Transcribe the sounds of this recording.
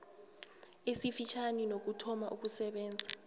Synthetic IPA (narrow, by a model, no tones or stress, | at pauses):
esifit͡ʃʰaninok̬utʰɔmaʔuk̬usɛɓɛːnd͡zʱa